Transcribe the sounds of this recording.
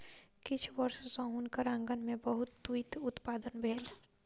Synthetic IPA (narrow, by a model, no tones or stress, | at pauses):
kɪt͡ʃʰbəɾsõsə̃ɦʊnkəɾə̃ŋɡənmẽbəɦʊt̪ːuit̪ʊt̪paːd̪ənbʱeːl